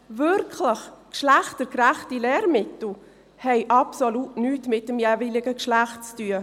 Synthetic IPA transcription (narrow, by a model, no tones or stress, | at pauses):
vʏɾkʰləχkʃlæχtəɾkɾæχtilɛːɾmɪtl̩ | hɛɪʔɑpsolutnyːtmɪt̚dəmjeːvilɪɡəkʃlæχtt͡styə